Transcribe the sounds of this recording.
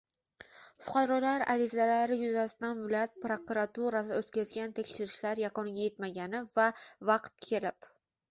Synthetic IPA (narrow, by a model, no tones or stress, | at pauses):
fʊ̥qʰɑɾɒlaɾa̰ɾɪzalaɾɪjʊzasɪd̪anvɪlɒjat̪̚pɾokuɾat̪uɾasɪot̪kʲazɡʲant̪ʰekʲʃɪɾɪʃlaɾjaqɒnɪɡʲaje̞t̪maɡʲanɪvavɑqt̪̚kʲʰe̞lɪp